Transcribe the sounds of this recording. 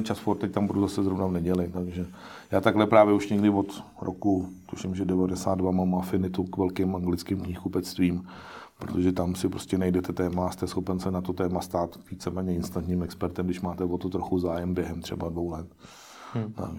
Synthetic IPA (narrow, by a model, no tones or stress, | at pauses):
t͡ʃasfoɾt̪ːɛc̚t̪ambuɾuzasɛzɾovnavnɛɟɛlɪt̪aɡʒɛ | jaːt̪aɡɦlɛpɾaːvjɛuʃɲɛɡdɪvot̪ | ɾʔokut̪uʃɪmʒɛdɛvadɛsa̰ːd̪dvamamafɪnɪt̪ukvɛlkɪmʔaŋɡlɪt͡skɪmkɲiːxkupɛt͡st̪viːm | pɾot̪oʒɛt̪amsɪpɾoscɛnajdɛt̪ɛt̪ɛːmaːst̪ɛsxopɛnsɛnat̪o̞t̪ɛːmast̪aːt̪viːt͡sɛmɛːɲɛɪnst̪ant̪ɲiːmɛkspɛɾt̪ɛmɡdɪʃmaːt̪ɛvo̞t̪ot̪ɾoxuzaːjɛmbjɛɦɛmt̪r̝̥ɛ̰badvo̞wlɛt̪ | t̪a̰k